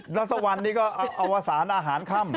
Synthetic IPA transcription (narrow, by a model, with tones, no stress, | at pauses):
ɾa˦˥t̪̚sa˧wa˧nːiː˥˩kɔː˥˩ʔa˧ʔa˧wʔaː˧saː˩˦nʔaː˧ɦaː˩˦nkʰa˥˩m